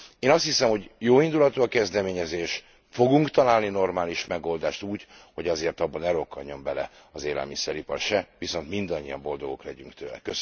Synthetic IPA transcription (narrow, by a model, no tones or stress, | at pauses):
eːnɒst̪hisɛmho̞ɟjoːind̪ulɒt̪oːɒkɛzd̪ɛmeːɲɛzeːʃ | fo̞ɡuŋkt̪ɒlaːlnino̞rmaːliʃmɛɡo̞ld̪aːʃt̪uːɟho̞ɟɒzeːrt̪ɒbːɒnɛɾo̞kːɒɲɲo̞mbɛlɛɒzeːlɛ̰lmisɛɾipɒrʃɛviso̞nt̪mind̪ɒɲːijɒmbo̞ld̪o̞ɡo̞klɛɟyŋkt̪ʰøːlɛ̰kø